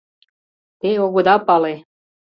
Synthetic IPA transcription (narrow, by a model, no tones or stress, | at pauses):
t̪eoɣod̪ɑpɑle